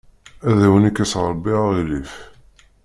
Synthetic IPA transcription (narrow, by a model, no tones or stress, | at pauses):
æðæwənikːæsʁɾˤbːiʁaʁilif